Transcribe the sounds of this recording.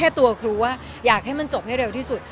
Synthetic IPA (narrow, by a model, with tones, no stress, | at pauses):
ɛː˥˩t̪u˧ɐkʰɾuː˧waː˥˩ | jaː˨˩k̚ɦa˥˩jma˧nt͡ɕo˨˩p̚ha˥˩jɾe˧wt̪ʰiː˥˩su˨˩t̪̚